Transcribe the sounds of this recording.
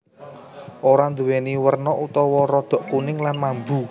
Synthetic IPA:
ʔoɾand̪uweniwərnɔʔut̪ɔwɔɾɔd̪̥ɔ̤ʔkunɪŋlanmambu

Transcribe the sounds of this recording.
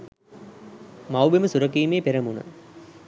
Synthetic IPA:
mawbeməsuɾɐkiːmeːpeɾɐmunə̰

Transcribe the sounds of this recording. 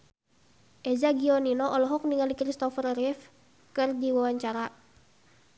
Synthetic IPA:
ʔezaɡiɔninɔʔɔlɔɦɔk̚niŋalikɾist̪ɔfərɾif | kɨrdiwawaɲt͡ʃaɾa

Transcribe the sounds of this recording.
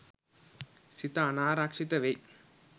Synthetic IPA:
sɪt̪ːanaːɾaːkʂɪt̪ːɐʋɛɪ

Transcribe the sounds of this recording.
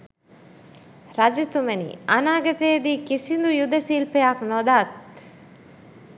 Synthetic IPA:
ɾɐd͡ʒist̪umenḭːʔanaːɡɐt̪eːd̪iːkisind̪ujud̪ɐsiːlpejaknod̪aːt̪

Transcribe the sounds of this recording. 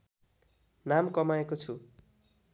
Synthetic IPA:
namkʌmaekot͡sʰu

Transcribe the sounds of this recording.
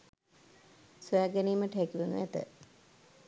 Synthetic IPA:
suæːɡæniːməʈəɦekiʋunṵet̪ə̰

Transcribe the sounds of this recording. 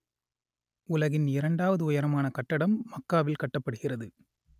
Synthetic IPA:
ʊlɐɣɪnɪɾɐɳɖaːʋɐðɯʊjɐɾɐmaːnɐkɐʈːɐɽɐmːɐkːaːʋɪlkɐʈːɐpːɐɽɯɣɪrɐðɯ

